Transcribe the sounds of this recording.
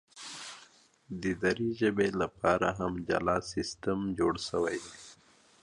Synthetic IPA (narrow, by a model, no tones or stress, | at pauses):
d̪əd̪aɾiʒəbelapɑɾa̰ɦamd͡ʒa̰lɑsɪst̪əmd͡ʒoɽʃəwajd̪e